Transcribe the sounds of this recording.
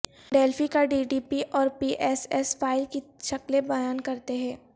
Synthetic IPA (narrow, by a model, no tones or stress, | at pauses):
ɖeːlfikaɖiːɖiːpiʔɔːɾpiːʔɛːsɛsfaːɪlkiʃɐklẽbɐjaːnkɐɾt̪eɦɛ̃ː